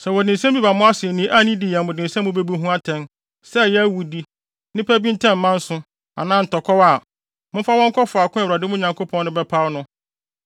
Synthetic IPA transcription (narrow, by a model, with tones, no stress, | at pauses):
sɛ˨wɔ˨dɪ̃˨sɛ̃˦m˦bi˦ba˨mʊ̃˦a˦sɪ˨ɛ˨nĩ˨˦ʔa˦nĩ˦di˨jɛ˨mʊ̃˨dɪ̃˨n̩˨sɛ̃˦mʊ̃˦be˦bu˦ɦũ˦a˦tʰɛ̃˦n | sɛ˦jɛ˦æ˦wu˨di˦ | nɪ̃˦pʰæ˦bĩ˦n̩˦tʰɛ̃˦m̩ː˨˦mã˦n̩˦sʊ̃˦ | a̰˨nãː˦n̩˨tɔ˨kʰɔ˦wa˨ | mʊ̃˦fa˦wɔ̃˦ŋ˦kʰɔ˦fʊ˨a˨kʊ̃˦a˨wa˨dɪ˦mʊ̃˦˨ɲã˨ŋko˦pʰɔ̃˦n˦nʊ̃˦bɛ˦pʰa˦wnʊ̃˦